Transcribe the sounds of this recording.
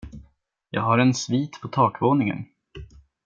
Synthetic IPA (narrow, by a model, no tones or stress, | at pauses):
jɑ̰ːɡɦaɾɛnsviːt̪pʰɔt̪ʰɑːkvoːnɪŋə̰n